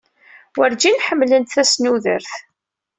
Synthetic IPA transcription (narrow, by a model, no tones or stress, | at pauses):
wəɾd͡ʒinħəmːlənt̪θæsnuðə̰ɾθ